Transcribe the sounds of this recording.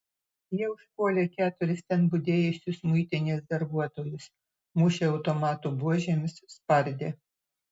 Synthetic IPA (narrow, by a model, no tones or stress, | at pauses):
jiɛʊʃpuɔlʲeːkʲæːt̪ʊɾʲɪst̪ʲɛnbʊd̪ʲeːjʊsʲʊsmʊɪt̪ʲɪnʲesd̪ɐɾbuɔt̪oːjʊs | mʊʃʲeɐʊt̪omɑːt̪ubuɔʒʲemʲɪsspɐɾʲd̪ʲeː